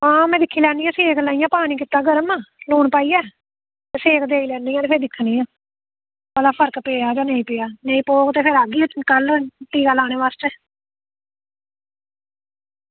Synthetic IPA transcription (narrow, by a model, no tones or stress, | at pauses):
ãːmɛ̃ːd̪ɪkʰːiːlɛːniːãːseːklaːijãːpaːniːkɪt̪ːaːɡəɾəmaloːɳpaːiːɛː | t̪eseːkd̪eːiːlɛːniːjãːepʰeːɾd̪ɪkʰːniːãː | pəlaːpʰəɾkpeːjaːd͡ʒãːneːĩːpeːaːneːĩːpoːkt̪eːpʰɪɾaːɡiːkəlʈiːkaːlaːñeːʋaːst͡ʃə